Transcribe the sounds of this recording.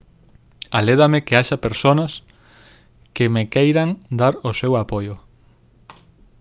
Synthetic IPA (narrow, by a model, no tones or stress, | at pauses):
aleðamekeaʃapeɾsonas | kemekejɾaŋd̪aɾoʊsewapojʊ